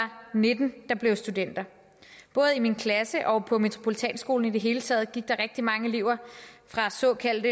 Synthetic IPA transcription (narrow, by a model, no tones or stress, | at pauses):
ɑ̈ne̝d̥n̩d̥ɑ̈b̥le̝ʊsd̥ud̥en̰d̥ɐ | b̥ɔ̽ːð̩ˠiminkʰlæsəʔɒ̽pʰɒ̽me̝t͡sʰʁo̝pʰolit͡sʰɛ̰ːnsɡ̥o̝̰ːln̩id̥e̝ɦe̝ːlət͡sʰɛ̰ːð̞̩ˠɡ̥iɡ̥̚d̥ɑ̈ʁɛɡ̥̚d̥imɑ̈ŋəliʊ̰ɐfʁɑ̈sɒ̽ːkʰæl̰d̥ə